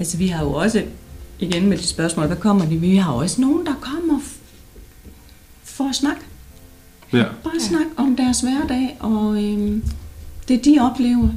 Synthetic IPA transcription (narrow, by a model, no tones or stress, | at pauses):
ælsəʋihɑ̈jo̝ɒ̽səiɡ̥enmed̥i̥sb̥ɶɐsmɔ̰ːlʋækʰɒ̽m̰ɐd̥iʋihɑ̈jo̝ɒ̽səno̝ːn̩d̥ɑ̈kʰɒm̰ɐ | fɒsnɑ̈ɡ̥ | b̥ɑ̈ːsnɑ̈ɡ̥ɒ̽md̥æɐsʋæɐd̥ɛ̰ːʔɒ̽ø | d̥e̝d̥iɒ̽b̥lḛːʊɐ